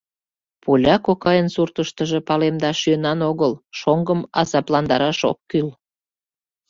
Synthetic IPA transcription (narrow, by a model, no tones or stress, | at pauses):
pulʲɑkokɑjənsurt̪əʃt̪əʒepɑlemd̪ɑʃyənɑnoɣəlʃoŋɡəmɑzɑplɑnd̪ɑɾɑʃo̰kːyl